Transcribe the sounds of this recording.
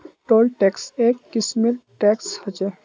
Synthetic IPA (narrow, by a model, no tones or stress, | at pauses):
ʈoːlʈɛːkseːkːɪsmelʈɛkshət͡ʃe